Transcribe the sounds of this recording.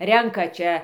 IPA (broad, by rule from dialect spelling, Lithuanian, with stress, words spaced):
ˈrʲɛŋkɐ ˈt͡ʃʲɛ